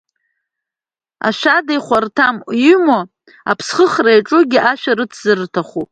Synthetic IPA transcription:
a̰ʃʷᶣadajχʷartʰamjymo | apʰsχəχrajʈ͡ʂʼʊɡʲiʔaʃᶣarɨt͡sʰz̥ɨrtʰaχu

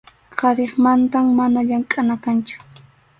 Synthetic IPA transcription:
qʰɑɾeχmant̪amːanaʎaŋkʼanakant͡ʃʊ̥

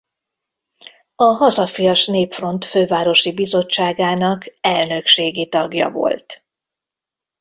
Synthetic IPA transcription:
ɒɦɒzɒfijɒʃneːpfro̞nt̪føːvaːɾo̞ʃibizo̞t͡ʃːaːɡaːnɒkɛlnø̞kʃeːɡit̪ɒɡjɒ̰vo̞̰lt̪

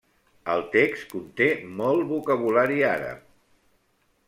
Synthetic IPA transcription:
əlˠt̪ekskunt̪emɔlˠβukəβ̞ulaɾiaɾə̰p

